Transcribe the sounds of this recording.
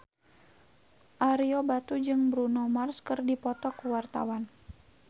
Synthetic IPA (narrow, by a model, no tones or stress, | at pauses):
ʔaɾiobat̪ud͡ʒɨŋbɾunɔmarskɨrdipɔt̪ɔkuwart̪a̰wan